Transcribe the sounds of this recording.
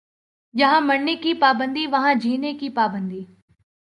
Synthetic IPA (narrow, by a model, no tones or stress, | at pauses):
jɐɦãmɐɽnekipaːbə̃nd̪iʋɐɦãd͡ʒʱiːnekipaːbə̃nd̪iː